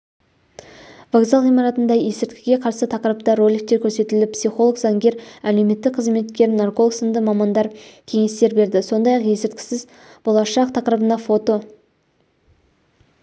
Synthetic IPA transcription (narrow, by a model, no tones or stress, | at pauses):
vaɡzɑlˠʁijmɑɾɑt̪ənd̪ɑje̞sɪɾt̪kʲɪɡʲe̞qʰɑɾsət̪ʰɑqəɾəp̚t̪ɑɾo̞lʲik̚t̪e̞ɾkʲʰɵɾse̞t̪ɪlɪpsijχo̞lˠəkzɑŋɡʲe̞ɾæle̞wme̞t̪ːɪk̚qʰəzme̞t̪kʲe̞ɾnarko̞lˠəksənd̪əmɑmɑnd̪ɑɾkʲʰe̞ŋe̞st̪e̞ɾbe̞ɾd̪ɪso̞nd̪ɑjɑqje̞sɪɾt̪̚kʲɪ̥sɪz | b̥o̞lˠɑʃɑq̚t̪ʰɑqəɾəbənɑfo̞t̪o̞